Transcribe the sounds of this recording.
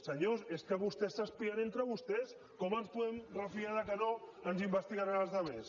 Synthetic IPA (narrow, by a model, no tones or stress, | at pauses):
seɲoseskeβust̪esːaspiaɾent̪ɾaβust̪es | komanspemrafiaðakenoanzimbest̪iɣaɾɣazðaβes